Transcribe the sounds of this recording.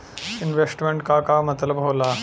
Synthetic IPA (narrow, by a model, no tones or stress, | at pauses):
ɪnʋesʈmeɳʈ̚kaːkaːmɐt̪lɐbʱoːlaː